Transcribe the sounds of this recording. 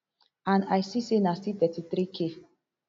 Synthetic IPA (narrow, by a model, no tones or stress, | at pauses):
ãnajsisenastitɛtiθɾikʰe